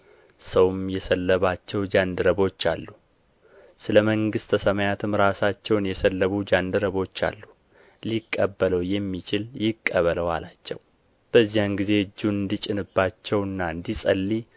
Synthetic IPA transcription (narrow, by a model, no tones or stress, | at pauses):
səwmjɛsəlːəβat͡ʃːɛwd͡ʒand̪ɨɾəβo̞t͡ʃːa̰lːu | sɨləməŋɡɨst̪ʰəsəməjat̪ʰɨmɾasat͡ʃːɛwnjɛsəlːəβud͡ʒand̪ɨɾəβo̞t͡ʃːa̰lːu | likʼːəbːələwjɛmːit͡ʃʰɪljɪkʼːəβələwalat͡ʃːɛ̰w | b̥əzːijanɡize̞ɨd͡ʒːuɨnd̪it͡ʃʼɪnɨbːat͡ʃːɛwɨnːaɨnd̪isʼəlːi